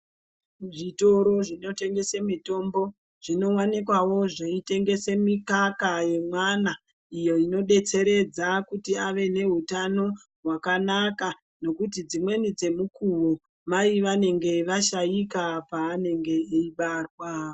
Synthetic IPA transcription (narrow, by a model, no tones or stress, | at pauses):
ʐito̞ɾo̞ʐino̞te̞ŋɡe̞semito̞mbo̞ | ʐ̥ino̞wanekwawo̞ʐeite̞ŋɡe̞se̞mikakaje̞mwana | ijo̞ino̞ɗe̞t͡se̞ɾe̞d͡zakutiaʋe̞ne̞ɦutano̞ | ɦwakanaka | no̞kutid͡zimwe̞nid͡ze̞mukuwo | maiʋane̞ŋɡe̞ʋaʃajikapaːne̞ŋɡe̞iɓarwa